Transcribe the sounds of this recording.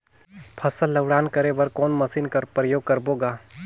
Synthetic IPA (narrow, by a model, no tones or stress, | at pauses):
pʰɐsəlːəɡɽaːnkɐɾebɐɾkɔːnmɐsiːnkɐɾpɾəjoːɡ̚kɐɾboːɡaː